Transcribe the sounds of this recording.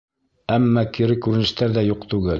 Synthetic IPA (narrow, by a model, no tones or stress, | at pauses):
æmːækiɾɘkːʉɾɘ̆nɘ̆ʃt̪æɾðæjuqt̪ʉɡɘl